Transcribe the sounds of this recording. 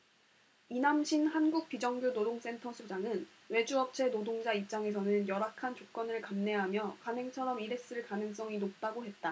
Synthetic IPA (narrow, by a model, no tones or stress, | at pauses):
inamɕʰinhanɡuk̚p͈id͡ʑʌŋɡjonodoŋs͈e̞ntʰʌsʰod͡ʑaŋɯn | we̞d͡ʑuʌp̚t͡ɕʰe̞nodoŋd͡ʑaip̚t͡ɕ͈aŋe̞sʰʌnɯnjʌɾakʰant͡ɕok͈ʌnɯɭkamne̞ɦamjʌkanɦe̞ŋt͡ɕʰʌɾʌmiɾe̞s͈ɯɭkanɯŋs͈ʌŋinop̚t͈aɡoɦe̞t̚t͈a